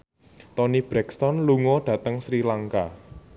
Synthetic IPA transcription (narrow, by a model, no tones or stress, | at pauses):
t̪ɔnib̥ɾɛkst̪ɔnluŋɔɖ̥ä̤t̪əŋsɾilaŋka